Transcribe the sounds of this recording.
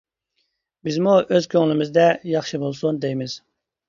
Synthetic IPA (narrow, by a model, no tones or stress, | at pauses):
bɪzmuʔøz̥kʲʰøŋlɪmɪzd̪ɛjɑχʃɨbolˠsund̪ejmɪz̥